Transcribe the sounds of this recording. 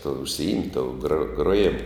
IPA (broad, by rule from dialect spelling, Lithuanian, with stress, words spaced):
tuɔ ʊʃʲsʲɪˈɪmʲtʲ toːʊ ɡroː ɡroːˈjɪmʊ